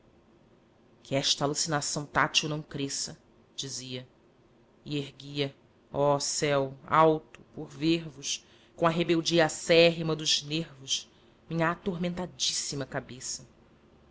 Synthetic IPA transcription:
kʰɪɛʃt̪ɐːlusinasɐ̃w̃t̪at͡ʃunɐ̃w̃kɾesɐ | d͡ʒiziɐ | ieɦɡiɐ | ɔsɛwawt̪u̥poɾveɾvʊʃ | kõɐɦebewd͡ʒiasɛɦimɐd̪ʊʒneɾvʊʃ | mĩɲɐat̪oɾmẽnt̪ad͡ʒisimɐkabesɐ

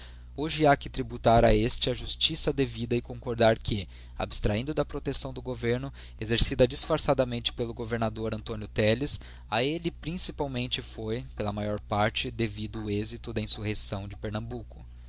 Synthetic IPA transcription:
oʒɪakɪt̪ɾibut̪aɾɐest͡ʃɪɐʒust͡ʃisɐd̪evid̪ɐɪkõŋkoɾd̪aɾkʰɪ | a̰bɪ̥st̪ɾaĩnd̪ʊd̪ɐpɾot̪esɐ̃w̃d̪ʊɡoveɾnʊ | ezeɾsid̪ɐd͡ʒisfaɾsad̪ɐmẽnt͡ʃɪ̥pelʊɡoveɾnad̪oɾɐ̃nt̪õnjʊt̪ɛlɪs | aelɪpɾĩsipawmẽnt͡ʃɪfojpelɐmajɔɾpaɾt͡ʃɪd̪evid̪ʊːezit̪ʊd̪ɐĩsuhesɐ̃w̃d͡ʒɪpeɾnɐ̃mbukʊ̥

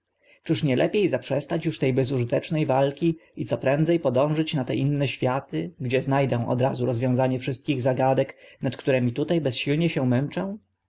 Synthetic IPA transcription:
t͡ʂɘʂɲɛlʔɛpʲjejzapʂɛst̪at͡ɕjuʂt̪ɛjbɛzuʐɘt̪ɛt͡ʂnɛjvalkʲiʔit̪ɔpɾɛnd̪zɛjpɔd̪ɔ̃w̃ʐɘt͡ɕnat̪ɛʔinːɛɕfʲjat̪ɘɡd͡ʑɛznajd̪ɛw̃ʔɔ̰d̪ɾazuɾɔzvʲjɔ̃w̃zaɲɛfʂɘst̪̚kʲiɣzaɡad̪ɛknat̪kt̪uɾɛmʲit̪ut̪ajbɛsɕilɲɛɕɛ̃mɛnt͡ʂɛw̃

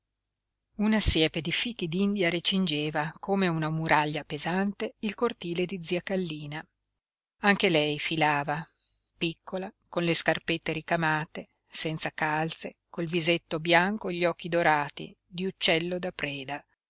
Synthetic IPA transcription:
unasjɛːped̪ifik̟ːid̪ind̪jaɾet͡ʃind͡ʒeːvakʰomeunamuɾʔaʎːapezant̪eilkort̪iːled̪id̪ziːakalːiːna | aŋk̟elɛjfilaːva | pikʰːolakonleskarpet̪ːeɾikamaːt̪e | sɛnt̪sakalt̪sekolvizet̪ːobjaŋkoʎːɔk̟ːid̪oɾaːt̪ḭ | d̪iut͡ʃːɛlːod̪apɾɛːd̪a

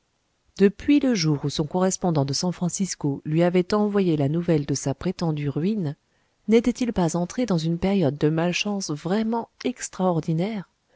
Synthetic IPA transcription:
d̪̥əpɥiləʒuʁusɔ̃kɔʁɛspɔ̃d̪ɑ̃d̪əsɑ̃fχɑ̃siskolɥiavɛt̪ɑ̃vwajelanuvɛld̪əsapχet̪ɑ̃d̪yʁɥinː | ɛt̪ɛt̪ilpazɑ̃t̪χed̪ɑ̃zynpeʁjɔd̪ːəmalʃɑ̃svʁɛmɑ̃ɛkst̪χaɔʁd̪inɛʁ

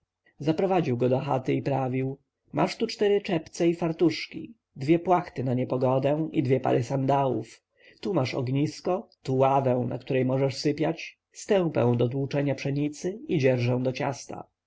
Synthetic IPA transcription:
zapɾɔvad͡ʑiwɡɔd̪ɔxa̰t̪ɘipɾavʲiw | ma̰ʂt̪ut͡ʂt̪ɛɾɘt͡ʂɛpt̪sɛifaɾt̪uʂkʲḭ | d̪vʲjɛpwaxt̪ɘnaɲɛpɔɡɔd̪ɛ̃id̪vʲjɛpa̰ɾʔɘsand̪awuf | t̪umaʂɔ̰ɡɲiskɔt̪uwavɛw̃nʔa̰kt̪uɾɛjmɔʐɛʂsɘpʲjat͡ɕ | st̪ɛ̃w̃pɛ̰̃w̃d̪ɔt̪wut͡ʂɛɲapʂɛɲit̪sɘid͡ʑɛɾʐɛ̃w̃d̪ɔt͡ɕa̰st̪a̰

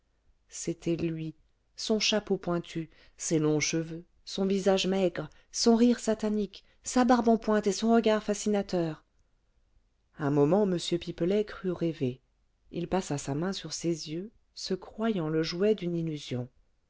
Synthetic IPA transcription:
set̪ʰɛlɥi | sɔ̃ʃapopwɛ̃t̪ʰy | selɔ̃ʃəvø | sɔ̃vizaʒmɛɡʁ | sɔ̃ʁiʁsat̪anik | sabaʁbɑ̃pwɛ̃t̪esɔ̃ʁəɡaʁfasinat̪œːʁ | ɛ̃mɔmɑ̃məsjøpipəlɛkχyʁeve | ilpasasamɛ̃syʁsezjø | səkχwajɑ̃ləʒwɛd̪ynilyzjɔ̃

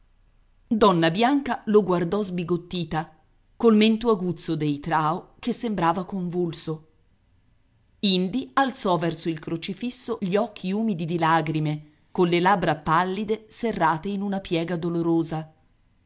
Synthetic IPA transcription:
d̪ɔnːabjaŋkaloɡward̪ɔzbiɡot̪ːiːt̪a | kolment̪oaɡut̪sːod̪ejt̪ɾaːokesːembɾaːvakoɱvulso | ind̪ialt̪sɔvɛrsoilkɾot͡ʃifisːoʎiɔkʰːiuːmid̪id̪ilaɡɾime | konlelabɾapalːid̪eserːaːt̪einunapjɛːɡad̪oloɾoːza

